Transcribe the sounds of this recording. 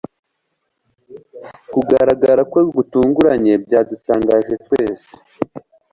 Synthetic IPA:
kuɡaɾaɡaɾakweɡutuːŋɡuɾaɲe̞bɟaːdutaːŋɡaːʒwe̞t̚weːse̥

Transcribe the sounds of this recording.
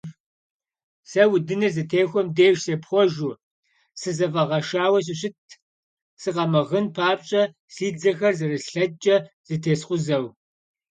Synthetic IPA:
sɐwʊdɨnɐzɨtʰeːxʷɔmdeːʃseːpχʷɔʒu | sɨzɐvɐʁɐʃaːwɐɕ̬ɪɕɪtʰ | sɨqɐmɐʁənpʰaːpʼɕʼɐ | siːd͡zɐxɐrzɐrɨɬɬɐt͡ʃʼɐ | z̥ɨtʰeːsqʷʊzɐw

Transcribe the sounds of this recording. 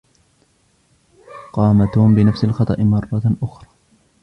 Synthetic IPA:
qɑːmat̪hʊmbɪnafsalxɑt̪ˤɑ̰ʔɪmɑrˤːɑt̪ʔʊxɾˤɑː

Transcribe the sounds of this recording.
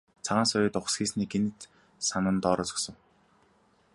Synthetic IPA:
t͡sʰaʁaːnsʊjʊːt̪ʊχsxiːsniːɡenɘ̆t̪ | sanə̆nt̪ɔːɾɔːt͡sɔ̥̆ksə̆ŋ

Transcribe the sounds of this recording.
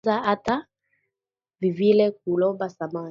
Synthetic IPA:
aʔata | vivilɛk̚ulɔbasama

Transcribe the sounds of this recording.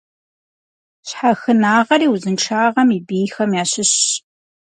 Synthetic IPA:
ɕħaxɨnaːʁɐriːwuzɨnʈ͡ʂʰaːʁɐmiːbiːxɐmjaːɕɪɕ

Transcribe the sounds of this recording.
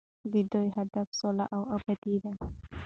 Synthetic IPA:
d̪id̪ojɦad̪afsola̰ʔawabad̪id̪a

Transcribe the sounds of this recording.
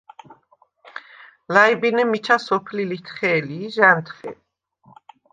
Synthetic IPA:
laibinɛmit͡ʃʰasɔpʰlilit̪ʰχɛːliʒant̪ʰχɛ̰

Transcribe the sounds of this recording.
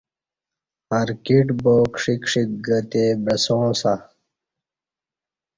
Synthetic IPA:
ɐɾkiʈboːkʂikʂik̚ɡɐt̪ebɾɐsõːsa

